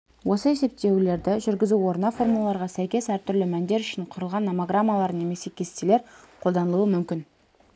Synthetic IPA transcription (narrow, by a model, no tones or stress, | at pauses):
wo̞səe̞se̞p̚t̪e̞wle̞ɾd̪ɪʒʏɾɡʲɪzuo̞ɾnɑfo̞rmulˠɑlˠɑɾʁɑsæjkʲe̞sæɾt̪ʰʏɾlɪmænd̪e̞ɾʏʃɪɴqʰʊɾəlˠʁɑnːomaɡramːalˠɑɾne̞me̞se̞kʲʰe̞st̪ele̞ɾqʰo̞lˠd̪ɑnəlˠuwəmʏmkʲɪn